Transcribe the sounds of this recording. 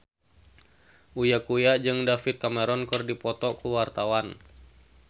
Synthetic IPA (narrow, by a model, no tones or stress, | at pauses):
ʔujakujad͡ʒɨŋdafit̪̚kamɛɾɔnkɨrdipɔt̪ɔkuwart̪awan